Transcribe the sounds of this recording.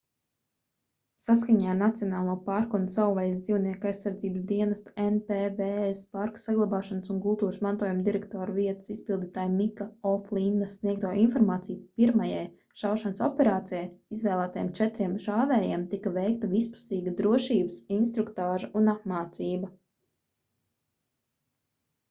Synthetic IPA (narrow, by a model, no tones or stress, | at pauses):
saskaɲaːɾnat̪siɔnaːlˠuːpaːɾkɔnsawvajz̬d̪ziːwniɛkajsːaɾd̪ziːbəsd̪iɛnɐst̪enpeveːespaɾku̥saɡlˠabaːʃansunkulˠt̪uːɾɨsmãnt̪uɔjumd̪iɾɛkt̪ɔːɾviɛt̪ə̥sispilˠd̪iːt̪aːjmikaɔflˠind̪asniɛk̚t̪uɔːinfɔɾmaːt̪sijpiɾmajɛj | ʃawʃansɔpɛɾaːt̪sijajizʋɛːlˠæːt̪ajɛ̰mt͡ʃɛt̪ɾiɛmʃaːvɛːjɛɛmt̪ikɐvɛjkt̪ɐvispu̥siːɡəd̪ɾuɔʃiːbəsinst̪ɾukt̪aːʒɐunapmaːt̪siːbɐ